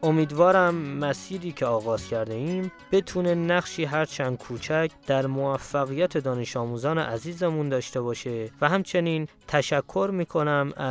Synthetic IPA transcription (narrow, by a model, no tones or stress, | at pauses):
omiːd̪vɒːɾæmːæsiːɾiːcʰeɒːɣɒːz̥cʰæɾd̪e̞iːmb̥e̞t̪ʰune̞næχʃiːɦæɾt͡ʃʰænd̪̚kʰuːt͡ʃʰæcʰd̪̥æɾmoæfːæɣijæt̪ʰe̞d̪ɒːne̞ʃɒːmuːzɒːnḛʔæziːzemund̪ɒːʃt̪e̞βɒːʃevæɦæmt͡ʃʰe̞niːnt̪ʰæʃækʰːo̞ɾmiːkʰo̞næmæ